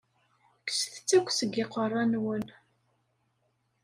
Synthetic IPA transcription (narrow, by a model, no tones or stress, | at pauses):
ksəθə̥t͡sːækʷsəɡɪqərˤːɑnwən